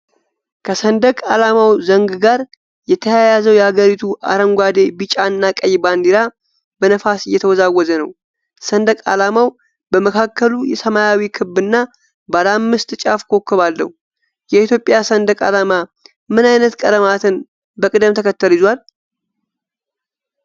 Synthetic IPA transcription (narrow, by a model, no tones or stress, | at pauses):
kʰəsənd̪əkʼalamawzəŋɡɡaɾ | jɛt̪ʰəjajazəwjɛhaɡəɾit̪ʰuʔa̰ɾəŋɡʷad̪e̞bit͡ʃʼanːakʼəjband̪iɾa | bənəfasɨjːɛt̪ʰəwɔzawːɔzənəw | sənd̪əkʼa̰lamaw | bəməkʰakʰːəlujɛsəmajawikʰɨbːɨnːa | balamːɨst̪t͡ʃʼafkʰo̞kːɨβalːə̰w | jɛit̪jo̞pʼjasənd̪əkʼa̰lama | mɨnajnət̪kʼəd̪əmat̪ʰɨn | bəkʼɨd̪ɨmt̪ʰəkʰət̪ːəlɪzwal